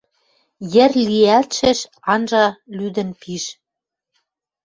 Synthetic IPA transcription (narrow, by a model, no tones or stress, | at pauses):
jɘ̆rliælt̪ʃɘ̆ʃ | ɑnʒɑlyd̪ə̆npiʃ